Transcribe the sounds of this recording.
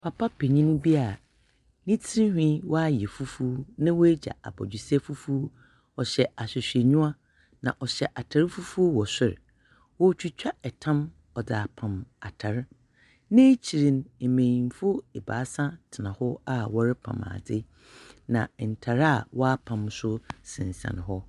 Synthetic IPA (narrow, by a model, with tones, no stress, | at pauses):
pʰa˨pʰa˦pʰe˨ɲĩ˦nũ˦bi˦a˨ | nĩ˦tʰi˦hᶣĩ˦wɔ˦a˦jɛ˨fu˦fu˦nã˦wo˦e˦d͡ʑa̰˨a̰˨bɔ̰˨d͡ʑᶣɪ˨sɛ˦fu˦fu˦ | ɔ˨ɕɛ˨a˨sɪ˨ɕᶣe˨ɲũ˦a˦ | nã̰˨ʔɔ˨ɕɛ˨ʔa˨tʰa˨ɾɪ˦fu˦fu˦o˦wɔ˨sɪ˦ɾ̰ | wɔ˦t͡ɕᶣi˨t͡ɕᶣa˦ɛ˨tʰã˦m | ɔ˨da˨a˨pʰã˨ma˨tʰa˨ɾ | nẽ˦t͡ɕʰi˨ɾĩ˨ne˨mẽ˨ĩ˨m˨fʊ˦e˨ba̰ː˨˦sã˦tʰɪ˨nã˨hɔ˦a˦wɔ˦ɾɪ˦pʰã̰˨ma̰˨dɪ˦ | nã̰˨n̩˨tʰa˨ɾa˦˨wɔ˦a˦pʰã˨msʊ˦sɪ̰̃˨n˨sã̰˨n˨ɦɔ˦